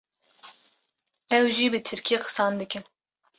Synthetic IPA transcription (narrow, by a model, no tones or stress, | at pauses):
ɛwʒiːbɨt̪ʰɨɾkʲʰiqʰɨ̥sɑːnd̪ɨkɨn